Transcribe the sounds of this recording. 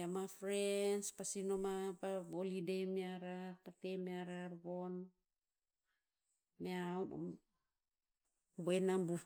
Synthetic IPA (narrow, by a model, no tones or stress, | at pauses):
amafɾenspasino̞mapaβolidejmeaɾaɾpatemeaɾaɾβo̞n | meaw̰ | boenambu